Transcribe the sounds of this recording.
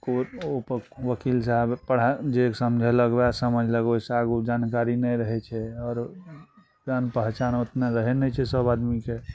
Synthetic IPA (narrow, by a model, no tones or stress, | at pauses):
koopəʋəkilsaɦbpəɽ̤ad͡ʒeksəmd͡ʒʱɛləɡbasəməd͡ʒʱləɡbeseaɡud͡ʒankaɾinɛjɾəɦɛt͡ʃʰɛɔːɾ | kanpəɦt͡ʃanot̪naɾəɦɛnɛt͡ʃʰɛsəbad̪mike